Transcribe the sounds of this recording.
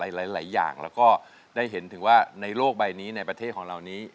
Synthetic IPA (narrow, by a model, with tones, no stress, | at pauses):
a˩˦jlaː˨˩˦jlaː˩˦jːa̰ː˨˩ŋlɛː˦˥wkɔː˥˩ | daː˥˩jɦe˩˦nt̪ʰɯ˩˦ŋwaː˥˩na˧jloː˥˩k̚ba˧jniː˦˥na˧jpɾa˧t̪ʰe˥˩kʰɔː˨˩˦ŋɾa˨˩wniː˦˥